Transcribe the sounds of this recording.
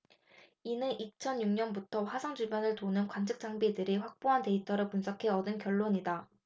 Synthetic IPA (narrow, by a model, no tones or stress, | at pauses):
inɯʔit͡ɕʰʌnjuŋɲʌnbutʰʌɸwasʰʌŋd͡ʑuɭbjʌnɯɭtonɯnkwant͡ɕʰɯk̚t͡ɕ͈aŋbidɯɾiɸwak̚p͈oɦante̞itʰʌɾɯɭpunsʰʌkʰe̞ʌdɯnkjʌɭːoɲida